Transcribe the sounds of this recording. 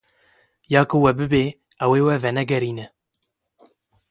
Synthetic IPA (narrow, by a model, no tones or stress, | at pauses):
jaːkuwɛbɨbeː | ɛweːwɛvɛnɛɡɛɾiːnɛ